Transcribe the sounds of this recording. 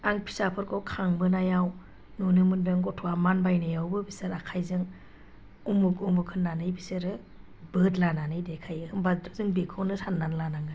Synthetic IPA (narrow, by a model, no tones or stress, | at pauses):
aŋpʰi̥sapʰɯɾkʰɔwkʰaŋbɯnajaw | nunɯmɯndɯŋɡɔtʰɔamanbajnajawbɯbisɯɾakʰajzɯŋ | umukumɯkʰɯnːanɯjbisɯɾɯ | bɯdlananɯjdekʰajɯhɯŋbadɔzɯŋbikʰɯwnɯsanːanlanaŋɯ